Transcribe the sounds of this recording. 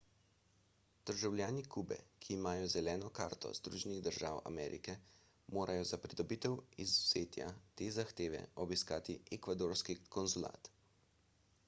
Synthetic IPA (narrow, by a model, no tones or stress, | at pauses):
d̪̥əɾʒawlʲjaːnikuːbɛ̰kʰiːmaːjɔzɛlɛːnɔka̰ːɾt̪ɔ̰z̥d̪ɾuːʒɛniɣd̪əɾʒaːwa̰mɛ̰ːɾḭkɛ | moːɾʔajɔzapɾid̪ɔbit̪ɛwizuz̥eːt̪ja̰t̪eːzaxt̪eːʋɛ̰ɔbiskaːt̪iʔɛkʋad̪oɾskikɔnzula̰ːt̪